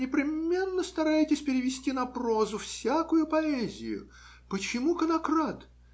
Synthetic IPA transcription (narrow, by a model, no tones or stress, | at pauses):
nʲɪpɾʲɪmʲe̞nːəst̪ɐɾajɪtʲɪsʲpʲɪɾʲɪvʲɪsʲtʲinɐpro̞zʊfsʲakʊjʊpɐɛzʲɪ̰jʊ̰ | pət͡ɕɪmukənɐkrat̪